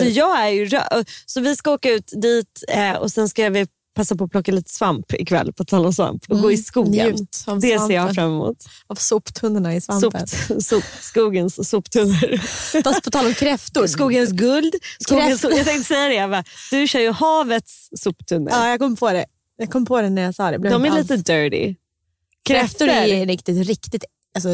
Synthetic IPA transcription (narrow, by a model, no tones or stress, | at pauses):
ɔjɑːɡæɾjɵɾɑ̰ɔsɔvɪskaoːkaʉ̟ːt̪d̪iːt̪ɔ̰sɛnskavɪ | pʰasːapɔːpʰlɔkːaliːt̪ə̥svampɪ̰kʰvɛ̰lːpʰɔt̪ʰɑːlɔmsva̰mpɔɡoːɪskuːəʉt̪d̪ɛseːɾjɑfɾamːɛmṵːt̪avsʊpt̪ʰɵnːəɳaɪsvaʊnsupskuːɡənsːupt̪ʰɵnːəɾfapʰɔt̪ʰɑːlɔmkʰɾɛft̪ʊɾskuːɡəns̬ɡɵld̪skuːɛɡənsjɑɡt̪ɛŋkt̪əsɛjːad̪ɛvad̪̥ɵɕœːɾjəhɑːvət̪sːupːt̪ʰɵnːəɑːjaɡkʰɔmːpʰɔd̪ɛ | jɑːɡ̚kʰɔmːpʰɔd̪ɛnæɾjasɑːd̪ɛbled̪ɔmæɾɭiːt̪əd̪œːɖɪ̰ | kʰɾɛft̪ʊɾæɾɪkt̪ɪt̪ɾɪkt̪ɪt̪ | asɔ